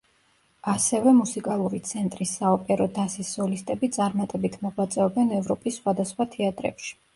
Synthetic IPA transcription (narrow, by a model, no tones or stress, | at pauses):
asɛvɛmusikʼalˠuɾit̪sʰɛnt̪ʼɾisːaɔpʼɛɾɔd̪asisːɔlist̪ʼɛbit̪sʼaɾmat̪ʼɛbit̪ʰmɔʁwat̪sʼɛɔbɛnɛvɾɔpʼisːχwad̪asχwat̪ʰɛat̪ʼɾɛ̰pʃi̥